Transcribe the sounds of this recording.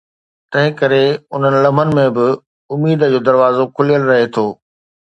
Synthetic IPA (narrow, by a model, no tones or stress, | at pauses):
t̪ɐ̃ɦɪ̃kɐɾeʊn̤ənɪ̆lɐmənɪ̆mẽbɪ | ʊmiːd̪ə̆d͡ʑoːd̪ɐɾʋaːzokʰʊlijəlɾɐɦet̪ʰoː